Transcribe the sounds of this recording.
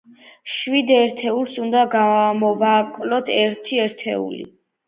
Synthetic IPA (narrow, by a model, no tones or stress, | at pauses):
ʃwid̪ɛɾt̪ʰɛulˠsund̪aɡamɔvakʼlɔt̪ʰɛɾt̪ʰiɛɾt̪ʰɛ̰ṵlḭ